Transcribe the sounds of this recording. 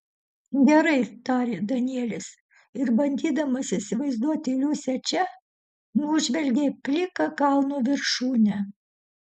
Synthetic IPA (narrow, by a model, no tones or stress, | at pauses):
ɡʲɛɾɐɪt̪ɑːɾʲeːd̪ɐnʲiiɛlʲɪs | ɪɾbɐnʲd̪ʲiːd̪ɐmɐsɪsʲɪʋɐɪzd̪uɔt̪ʲɪlʲuːsʲɛt͡ʃʲɛ | nuʒʲʋʲɛlʲɡʲepʲlʲɪkɐkɐlˠnuːʋʲɪɾʃuːnʲɛ